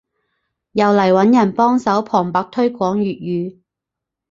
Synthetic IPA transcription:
jɐ˨wlɐ˨˩jwɐ˨˥njɐ˨˩npɔː˥ŋsɐ˨˥wpʰɔː˨˩ŋpɐ˨˥k̚t̪ʰɵ˥ɥkʷɔː˨˥ŋjyː˨t̚jyː˨˧

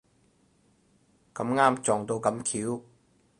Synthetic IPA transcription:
kɐ˧˥mŋaː˥mt͡sɔː˨˩ŋt̪o˧wkɐ˧mkʰiː˨˥w

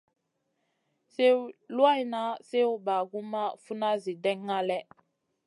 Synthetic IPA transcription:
se˦lwa˦i˦na˦se˦u˦ba˨ɡu˦ma˦fu˦na˦zi˨dɛ˦ŋːa˦lɛ˦

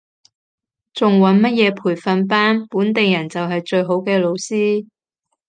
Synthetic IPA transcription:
t͡sʊ˨ŋwɐ˨˥nmɐ˥t̚jɛː˨˧pʰuː˨˩jfɐ˨˧np̬aː˥npuː˨˥nt̪e˨jɐ˨˩nt͡sɐ˨wɦɐ˨jt͡ʃɵ˧ɥɦo˨˥wkɛː˧lo˨˧wsiː˥

